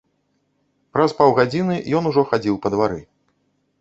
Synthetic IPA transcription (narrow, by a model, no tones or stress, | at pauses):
pɾɐspawɣad͡zʲinɨjɔnuʐɔxad͡zʲiwpɐd̪vaɾɨ